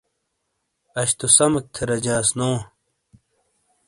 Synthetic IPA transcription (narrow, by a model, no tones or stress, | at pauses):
ɐɕt̪ʰusɐmɐk̚t̪ʰeɾɐd͡ʑãːsnoː